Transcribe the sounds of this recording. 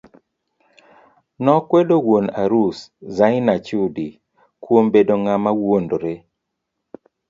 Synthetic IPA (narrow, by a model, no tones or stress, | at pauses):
nɔkwedowonaɾuszaɪnat͡ʃudi | kwombedoŋamawondoɾe